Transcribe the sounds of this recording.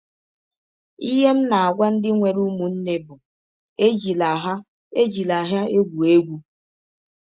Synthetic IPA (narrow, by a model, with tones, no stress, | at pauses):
i˦ɦe˦m̩˦na˨a˨ɡʷa˦n̩˦dɪ˦ŋʷe˨ɾu˦mu˨n̩˦ne˦bʊ˨ | e˦d͡ʒi˨la˨ɦa˦ | e˦d͡ʒi˨la˨ɦa˦e˦ɡʷu˨e˦ɡʷu˦